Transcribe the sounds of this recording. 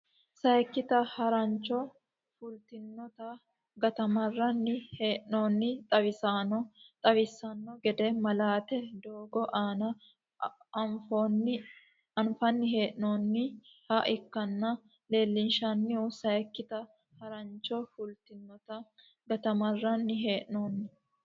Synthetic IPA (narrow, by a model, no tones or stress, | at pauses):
sɐjɛkːɪt̪ɐhɐɾɐnt͡ʃːɔ | fʊlt̪ɪnːɔt̪ɐ | ɡɐt̪ɐmɐrːɐnːɪheːʔnoːnːɪt̪ʼɐβɪsanɔt̪ʼɐβɪsɐnːɔɡɛd̪ɛmɐlaːt̪ɛd̪oːɡɔʔaːnɐ | ɐnfoːnːɪ | ɐnfɐnːɪɦe̞ːʔno̞ːnːɪhɐʔɪkːɐnːɐ | le̞ːlːɪnʃɐnːɪɔsɐjkːɪt̪ɐ | hɐɾɐnt͡ʃːɔfʊlt̪ɪnːɔt̪ɐ | ɡɐt̪ɐmɐrːɐnːɪɦeːʔnoːnːɪ